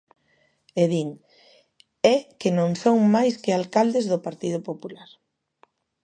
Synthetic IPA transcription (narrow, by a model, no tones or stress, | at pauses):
eðiŋ | ɛkenõŋsoŋmajskɪalkald̪ezðʊpaɾt̪iðʊpopulaɾ